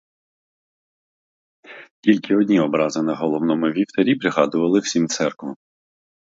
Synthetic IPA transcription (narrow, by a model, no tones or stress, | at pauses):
kʲilʲkɪɔdʲnʲiɔbɾɑzɪnɐɦɔlˠɔwnɔmʊʋʲiwt̪ɐɾʲipɾɪɦɑd̪ʊʋɐlˠɪw̥sʲimt̪sɛrkʋɐm